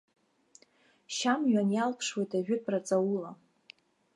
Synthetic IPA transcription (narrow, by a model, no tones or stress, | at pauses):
ʃamɥanjalpʰʂwejtʰaʒᶣʊtʰrat͡sʼawula